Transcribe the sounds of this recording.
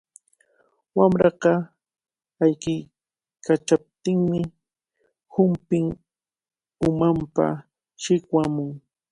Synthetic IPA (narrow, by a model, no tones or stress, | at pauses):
wamɾɑqɑ | ajkɪj | kat͡ʃap̚t̪ɪŋmɪ | hʊmpɪŋ | ʊmampa̰ | ʃɪkwamʊŋ